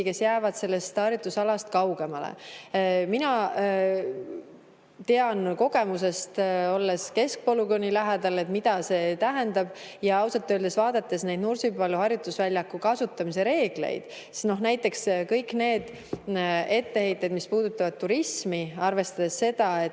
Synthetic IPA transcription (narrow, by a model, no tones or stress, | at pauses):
ike̞sjæːvɑd̪̥se̞lːe̞st̪ɑɾjut̪ːˑusɑlɑst̪̚kɑwɡe̞mɑlḛ | minɑ | t̪e̞ɑnko̞ɡ̥e̞muse̞st̪o̞lːeske̞sk̚po̞luɡonʲːilæɦed̪̥ɑle̞t̪mid̪̥ɑse̞t̪æɦend̪ɑb̥ | jɑɑwsɑt̪ːˑøːld̪esvɑːd̪ɑt̪ːˑe̞sne̞jd̪nursipɑlːuhɑɾjut̪ːˑusvælʲjɑkːˑukɑsut̪ːˑɑmise̞ɾe̞ːɡ̥le̞̰jd̪̥ | si̥sno̞ɦnæjt̪ːˑe̞kskɤjkːˑne̞ːd̪̥ | e̞t̪ːe̞he̞jt̪ːˑejd̪̥mispuːd̪̥ut̪ːˑɑvɑd̪̥̚t̪ːuɾismiɑrve̞st̪ɑd̪̥e̞sːe̞d̪̥ɑe̞